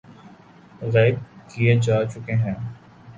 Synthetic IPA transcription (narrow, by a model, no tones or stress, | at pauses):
ɣɛːɪkkied͡ʒaːt͡ʃʊkeɦɛ̃ː